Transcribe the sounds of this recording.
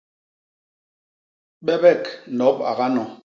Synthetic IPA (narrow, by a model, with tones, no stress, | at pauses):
ɓɛ˦bɛ˦˨knɔ˨˦p̚a̰˨ɣa˦nɔ˨